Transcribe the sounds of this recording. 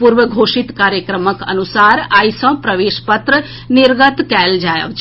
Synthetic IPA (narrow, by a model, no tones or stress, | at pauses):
puɾʋəɡʱoʂit̪kaɾjəkɾəməkə̰nusaɾajsə̃pɾəʋeʃpət̪ɾə | nɪɾɡət̪kɛld͡ʒajə̰ʋt͡ʃʰ